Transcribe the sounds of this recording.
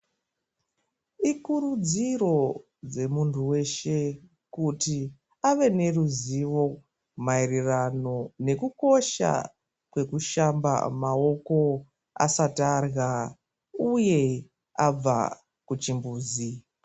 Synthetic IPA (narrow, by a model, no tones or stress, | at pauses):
ikuɾud͡ziro̞ | d͡ze̞muntʰuwe̞ʃe̞ | kuti | aʋe̞ne̞ruziʋo̞ | mairirano̞ne̞kuko̞ʃa̰ | kwe̞kuʃamba̰mao̞ko̞ | a̰satarɣa | uje̞ | ab͡va̰ | kut͡ʃimbuːzi